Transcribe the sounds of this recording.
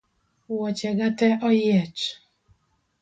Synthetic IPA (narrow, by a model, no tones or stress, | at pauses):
wɔt͡ʃɛɡatɛʔɔjɛt͡ʃ